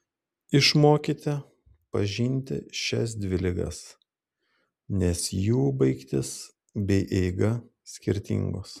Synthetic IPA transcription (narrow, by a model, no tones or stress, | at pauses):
ɪʃmoːkʲɪt̪ʲɪ | pɐʒʲinʲˑt̪ʲɪ̰ʃʲɛ̰s̬d̪ʲʋʲɪlʲɪɡɐ̰s | nʲɛsjuːbɐɪkt̪ʲɪs | bʲɛɪʔɛɪɡɐ | sʲkʲɪɾʲt̪ʲɪ̰ŋɡoːs